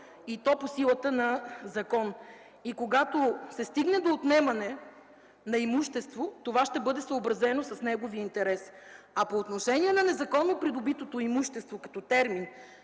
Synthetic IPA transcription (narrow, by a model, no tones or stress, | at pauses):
it̪ɔposilˠət̪ənɐzɐkɔn | ikoɡat̪osɛst̪iɡnɛd̪oːt̪nɛmɐnɛ | nɐimuʃt̪ɛst̪vot̪ovaʃt̪ɛbɤd̪ɛsəobɾɐzɛnosɐsnɛɡoviəint̪ɛɾɛs | ɐpoːt̪noʃɛniɛnɐnɛzɐkɔnːopɾid̪obit̪ot̪oimuʃt̪ɛst̪vokɐ̥t̪ɔt̪ɛɾmin